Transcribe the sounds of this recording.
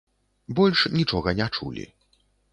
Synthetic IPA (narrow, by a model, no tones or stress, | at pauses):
bɔlʲʂnʲit͡ʂɔɣɐnʲat͡ʂṵlʲḭ